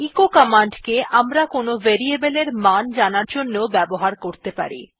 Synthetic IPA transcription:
ikokɔmaɳɖkeʔamɾakonoveɾiebeleɾmand͡ʑanaɾd͡ʑonːobɛboɦaɾkoɾt̪epa̰ɾḭ

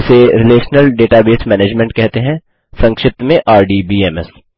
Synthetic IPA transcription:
ɪseɾɪleːʃnəlɖeːʈabeːsmɛːneːd͡ʒmẽɳʈ̚kɛɦt̪eɦɛ̃ | sɐ̃ŋkʃɪp̚t̪mẽʔaːɾɖibiːɛːmɛs

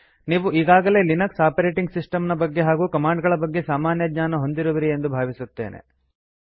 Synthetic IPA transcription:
niːʋuʔiːɡaːɡɐle̞ːlinɐksaːpɐɾe̞ːʈiŋɡsisʈɐmnɐbɐɡːe̞ɦaːɡuːkɐmaːɳɖɡɐɭɐbɐɡːe̞saːmaːnjɐɡɲaːnɐɦond̪iɾuʋɐɾie̞nd̪ubʱaːʋisut̪ːe̞̰ːnʔḛ

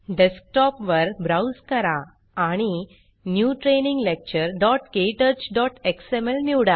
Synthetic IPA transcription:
ɖesk̚ʈɔpʋəɾbɾawskəɾa | aɽ̃i | njuːʈɾenĩŋɡlek̚t͡ɕəɾɖɔʈkeʈəɾt͡ɕɖɔʈeksemelmiwɽa

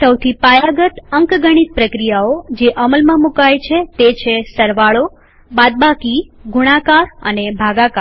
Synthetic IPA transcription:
səwt̪ʰipajaɡət̪əŋkɡəɽ̃it̪̚pɾəkɾijaod͡ʒeʔəməlmãmukajt͡ʃʰet̪et͡ʃʰesəɾʋaɭo | bad̪̚bakiɡuɽ̃ãkaɾə̰nebʱaɡakaɾ

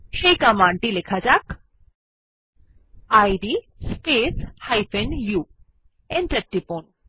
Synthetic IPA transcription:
ʃejkamaɳʈilekʰad͡ʑak | ajɖi | speshajpʰenju | enʈeɾ̚ʈːipon

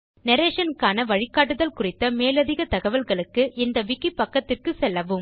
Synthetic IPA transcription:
nɛɾeːʂɐnkaːnɐʋɐɻɪkːaːʈ̬ːɯðɐlkʊrɪt̪ːɐmeːlɐðɪɣɐt̪ɐɣɐʋɐlɣɐɭɯkːɯʔɪnd̪ɐʋɪkːipːɐkːɐt̪ːɪrkɯsɛlːɐʋɯm

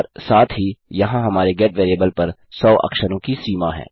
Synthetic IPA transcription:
ɾsaːt̪ʰɦijɐɦãɦɐmaːɾeɡɛːʈʋeːɾeːbəlpɐɾ | sɔːʔɐ̰kʃəɾõkisiːmaɦɛ̰̃ː

